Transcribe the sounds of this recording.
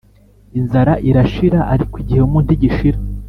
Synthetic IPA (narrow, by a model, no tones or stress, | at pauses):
inzaɾaʔiɾaʃiɾaʔaɾikwiɟiheumuːntiɟiʃiɾa